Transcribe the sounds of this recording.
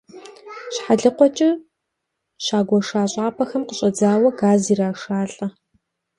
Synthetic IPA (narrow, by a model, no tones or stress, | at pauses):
ɕħaɮɨqʷɔt͡ʃʼɪ | ʃaːɡʷɔʂaːɕʼaːpʰɐxɐmqəɕʼɐd͡zaːwɐɡaːziːraːʂaːɬʼɐ